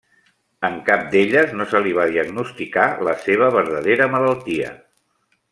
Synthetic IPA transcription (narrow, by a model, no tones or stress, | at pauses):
əŋkap̚d̪eʎəznosəliβ̞aðiəɡnust̪ikaləseβ̞əβ̞əɾðəðeɾəmələlˠt̪iə̰